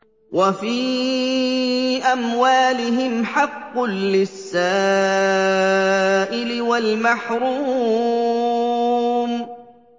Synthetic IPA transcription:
wʔafiː | ʔamwaːlɪɦɪmħɑqːʊnlɪsːaː | ʔɪlɪwalmaħɾuː | m

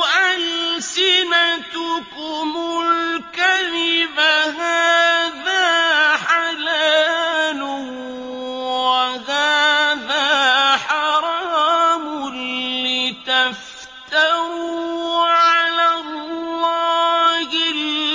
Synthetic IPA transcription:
ʔalsɪnat̪ʊkʊmʊlkaðɪbaɦaːðaːħalaːlʊ | waɦaːðaːħɑɾˤɑːmʊː | ɪt̪af | t̪aɾuːʕalalːɑːhɪl

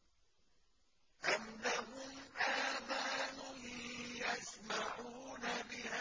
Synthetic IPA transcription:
ʔanːaɦʊmʔaːmanʊhjasmaʕuːnabɪha

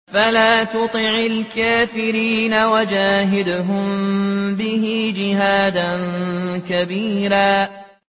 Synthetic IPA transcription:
falaːt̪ʊt̪ˤɪʕɪlkaːfɪɾiːnawad͡ʒaːɦɪd̪ɦʊmbɪɦid͡ʒɪɦaːd̪ankabiːɾaː

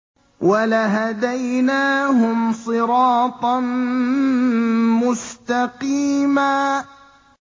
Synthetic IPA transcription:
walaɦad̪ajnaːhʊmsˤɨɾɑːt̪ˤɑn | mʊst̪ɑqiːmaː

